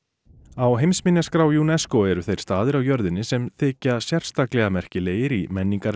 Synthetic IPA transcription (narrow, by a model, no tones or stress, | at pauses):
awɦejmsmɪnjaskɾaːwjunɛskoɛɾʏθejɾ̥st̪aːðɪɾawjœɾðɪnːɪsɛmθɪːcasjɛr̥st̪aklɛɣamɛr̥cɪleːjɪɾimɛnːiŋkaɾ